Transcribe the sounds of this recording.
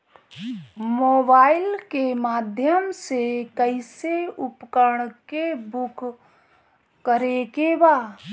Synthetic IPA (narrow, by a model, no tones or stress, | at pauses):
moːbaːɪlkemaːd̪ʱjəmsekəɪseʊpkəɾɽ̃kebʊk | kːəɾeɡebaː